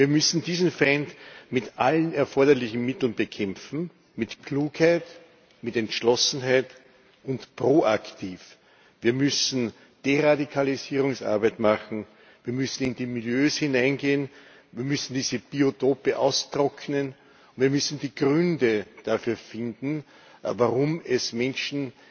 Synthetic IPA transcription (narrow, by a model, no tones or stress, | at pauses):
viːɐmʏsn̩diːzn̩fɛɪntmɪtʔalənɛɐfɔɐdɐlɪçn̩mɪtl̩nbəkʰɛmfn̩ | mɪtkʰluːkhæɪt | mɪtɛntʃlɔsn̩ɦaɪt | ʊntpʁoːʔaktʰiːf | viːɐmʏsn̩ | d̥eʁadikʰaliziːʁʊŋsʔa̰ɐbæɪtmaχn̩ | viːɐmʏsn̩ɪndiːmɪljøːshinãɪnɡeːən | viːɐmʏsn̩d̥iːzəb̥iotʰoːpəʔa̰ʊstʁɔkʰnən | ʊnviːɐmʏsn̩diːɡʁʏndəd̥afyːɐfɪndn̩ | vaʁʊmɛsmɛnʃn̩